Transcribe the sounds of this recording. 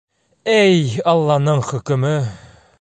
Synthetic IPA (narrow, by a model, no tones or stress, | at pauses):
æjɑlˠːɑnɤɴχɵ̆kɵ̆mɘ